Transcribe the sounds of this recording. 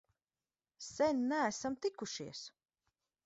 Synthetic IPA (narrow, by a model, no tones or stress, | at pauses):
sɛnʲnææsamt̪ikuʃiɛs